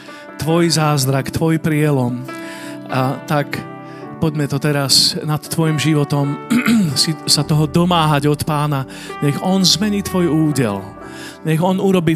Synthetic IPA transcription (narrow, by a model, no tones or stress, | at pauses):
t̪ʋɔjzaːzd̪ɾakt̪ʋɔjpɾɪɛlɔm | t̪ak | pɔɟmɛt̪ɔt̪ɛɾasnat̪ːʋɔjimʒiʋɔt̪ɔmsisat̪ɔɦɔd̪ɔmaːɦaɟɔt̪paːna | ɲɛɣɔnzmɛɲiːt̪ʋɔjuːɟɪɛ̰l | ɲɛɣɔnuɾɔbiː